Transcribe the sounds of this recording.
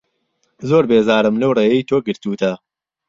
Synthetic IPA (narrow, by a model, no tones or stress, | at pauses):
zoːɾbeːzaːɾɨmlɐwreːjɐjt̪ʰoːɡɨɾt̪uːt̪ʰɐ